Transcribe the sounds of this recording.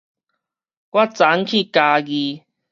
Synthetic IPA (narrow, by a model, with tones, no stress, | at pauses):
kwa˦˥t͡sa˨˦ŋkʰi˥˧˨kaː˧ɣi˧